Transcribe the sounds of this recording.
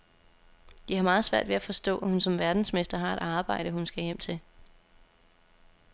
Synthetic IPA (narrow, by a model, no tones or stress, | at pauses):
d̥ihɑ̈mɑ̈ːð̞̩ˠsʋæɐ̰d̥ʋeæfɒ̽sd̥ɔ̰ːæhunsɒ̽mʋæɐd̥n̩sme̝sd̥ɐɦɑ̈e̝ɾ̥ɑ̈ːb̥ɑ̈ɪ̰ɾ̥əɦunsɡ̥æjem̰t͡sʰe̝l